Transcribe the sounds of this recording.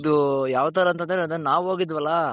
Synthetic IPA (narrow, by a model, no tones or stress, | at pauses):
d̪ujaːʋɐt̪ɐɾɐɐnt̪ɐnd̪ɐɾd̪ɐnaːʋɦoːɡid̪ʋɐlːɐ